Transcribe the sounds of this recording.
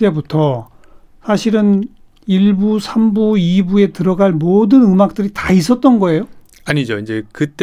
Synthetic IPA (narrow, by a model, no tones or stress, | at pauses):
t͈e̞butʰʌ | sʰaɕʰiɾɯn | iɭbusʰambuibue̞tɯɾʌɡaɭmodɯnɯmak̚t͈ɯɾitais̬͈ʰʌt̚t͈ʌnɡʌe̞jo | aɲid͡ʑoind͡ʑe̞kɯt͈